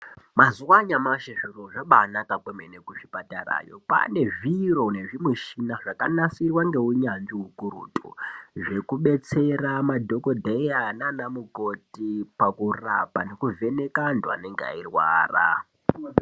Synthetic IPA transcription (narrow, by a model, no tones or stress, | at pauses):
mazuwaɲamaʃeʐiroʐaɓanakakwemenekuʐipatara̰ːjo̞̰pa̰ne̞ʐiro̞ne̞ʐimweʃinaʐakanasirwaŋɡe̞uɲand͡ʒiɦukuɾṵːtʼṵʐe̞kuɓe̞t͡se̞ramadʱo̞ko̞dʱaiananamukotipakura̰pane̞kuve̞ne̞kandwa̰ne̞ŋɡea̰irwa̰ːra̰